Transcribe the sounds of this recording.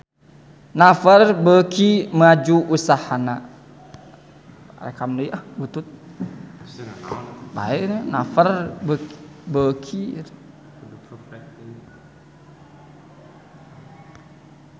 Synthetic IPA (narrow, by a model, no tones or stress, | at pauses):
nafərbəkʰimad͡ʒuʔusahana | ɾḛkamdəiʔabut̪ut̪̚ | ba̰ɛʔnənafərbəbəkʰi